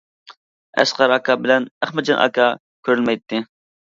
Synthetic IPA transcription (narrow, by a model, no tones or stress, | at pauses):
ɛ̰sqɑɾɑkʰɑbɪlɛnæχmɪt͡ʃʰɑnʔɑ̰kʰɑ | kʲʰøɾylmɛjt̪ʰːɪ